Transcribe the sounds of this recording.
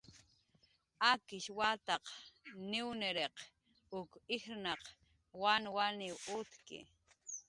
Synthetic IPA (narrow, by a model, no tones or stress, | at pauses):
akɪʃwat̪ɑqnɪwnɪɾeq | ʊkɪxɾnɑq | wanwanɪwʊt̪kɪ̰